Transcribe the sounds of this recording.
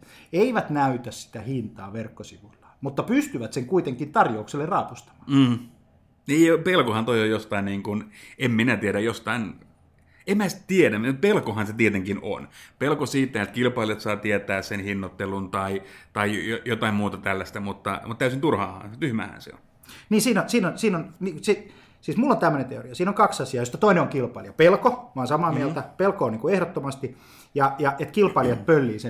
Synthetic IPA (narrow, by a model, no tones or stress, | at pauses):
eiʋæt̪næyt̪æssi̥t̪æhint̪ɑːʋerkːosiʋulːɑ̥mut̪ːɑpyst̪yʋæt̪seŋkuit̪eŋkint̪ɑrjoukselːerrɑːpust̪ɑ̥mɑ̥ːm̩ː | niːjpelkohɑnt̪oiojjost̪ɑinniːŋkunemminæt̪ieɾæjost̪ɑin | emmæːsi̥t̪t̪iedæpelkohɑnset̪iet̪eŋkino̰npelkosiːt̪ːæet̪kilpɑiljot̪sɑːt̪iet̪æːssenhinːot̪ːelunt̪ɑit̪ɑijojot̪ɑimmuːt̪ɑt̪ælːæst̪æmut̪ːɑ̰mut̪t̪æysint̪urhɑːhɑ̰ːt̪yhmæ̰ːhæ̰nsḛo̰n | niːsiːnonsiːnonsiːnonmisi | siːsmulːont̪æmːønent̪eo̰riɑsiːnoŋkɑksɑsiɑːjost̪ɑt̪oineoŋkilpɑiljɑpelkomɑːnsɑmɑːmieælt̪æpelkoːniːkuehɾot̪ːomɑst̪i | jɑjɑʔet̪kilpɑˑljɑt̪̚pølːiːse